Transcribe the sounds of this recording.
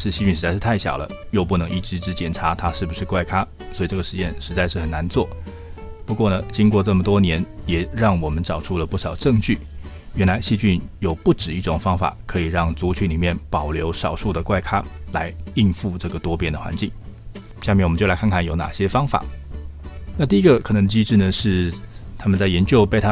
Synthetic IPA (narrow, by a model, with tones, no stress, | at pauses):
ʂɻ̩˥˧ɕi˥˧t͡ɕy˥˩ʂɻ̩˧˥t͡sa˥˧ɪʂ̩ɻ̩˥˧t̪ʰa˥˩ɕjɑ̰˨˩ʊlə̰˦jo˥˧ʊp̬u˥˩nɤ˧˥ŋi˥˩ʈ͡ʂɻ̩˥ʈ͡ʂɻ̩˧˥t͡ɕjɛ˨˩nʈ͡ʂʰa˧˥t̪ʰa˥ʂɻ̩˥˩bu˩ʂɻ̩˥˧kwa˥˩ɪkʰa˥ | swɔ˧˥˨ʈ͡ʂɤ˥˩ɡə˩ʂɻ̩˧˥jɛ˥˧nʂɻ̩˧˥t͡sa˥˧ɪʂɻ̩˥˩xə˨˩na˧˥nt͡swɔ˥˩ | pu˧˥kwɔ˥˩nə˩t͡ɕi˥ŋkwɔ˥˧ʈ͡ʂɤ˥˩mə˩t̪wɔ˥njɛ˧˥njɛ˨˩ɻɑ˥˩ŋwɔ˨˩mə˦nʈ͡ʂɑ˨˩ʊʈ͡ʂʰu˥˧lə˨pu˥˩ʂɑ˨˩ʊʈ͡ʂɤ˥˧ŋt͡ɕy˥˩ | ɥɛ˧˥nla˧˥ɪɕi˥˧t͡ɕy˥˩njo˨˩ʊpu˥˩ʈ͡ʂɻ̩˨˩i˥˩ʈ͡ʂʊ˨˩ŋfɑ˥ŋfa̰˨˩˦kʰɤ˧˥i˨˩ɻɑ˥˩ŋt͡su˧˥t͡ɕʰy˧˥nli˨˩mjɛ˥˩npɑ˨˩ʊljo˧˥ʊʂɑ˨˩ʊʂu˥˩d̪ə˩kwa˥˩ɪkʰa˥la˧˥ɪi˥˧nfu˥˧ʈ͡ʂɤ˥˩ɡə˩t̪wɔ˥pjɛ˥nd̪ə˩xwa̰˧˥nt͡ɕi˥˩ŋ | ɕja˥˧mjɛ˥˩nwɔ˨˩˧t͡ɕjla˧˥kʰa˥˧nkʰa˥˩njo˧˥ʊna̰˨˩ɕjɛ˥fɑ˥ŋfa̰˨˩˦ | na˥˧t̪̬i˥˩i˧˥ɡə˧kʰɤ˨˩nɤ˧˥ŋd̪ə˧t͡ɕi˥ʈ͡ʂɻ̩˥˩nə˩ʂɻ̩˥˩t̪ʰa˥mə˨nt͡sa˥˩ɪjɛ˧˥nt͡ɕjo˥˧ʊpe˥˩ɪt̪ʰa˥